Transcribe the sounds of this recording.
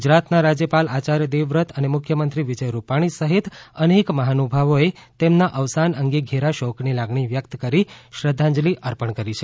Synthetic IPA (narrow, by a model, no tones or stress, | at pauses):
ɡɡud͡ʒɾat̪naɾad͡ʒjəpalat͡ʃaɾjəd̪eʋɾət̪ʰənemʊkʰjəmənt̪ɾiʋid͡ʒəjɾupaɽ̃isəɦit̪ənekməɦanubʱaʋoet̪emnaʔəʋsanəŋɡeɡʱeɾaʃɔknilaɡɳ̃iʋjək̚t̪kəɾiʃɾəd̪ʱːãɲd͡ʒliʔəɾpəɳkəɾit͡ʃʰe